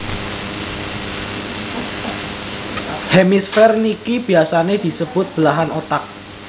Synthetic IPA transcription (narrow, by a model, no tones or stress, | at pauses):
hemisfɛrnikib̥i̤asaned̪̥i̤səb̥ʊt̪̚b̥əlaɦanot̪ak̚